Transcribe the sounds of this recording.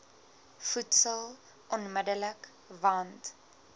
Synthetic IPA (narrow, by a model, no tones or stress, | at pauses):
futsəlˠ | ʔɔnmədələk | vɐnt